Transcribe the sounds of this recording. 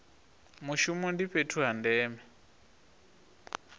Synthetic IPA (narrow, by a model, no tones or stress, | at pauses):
muʃumɔndiɸetʰuɦandɛːmɛ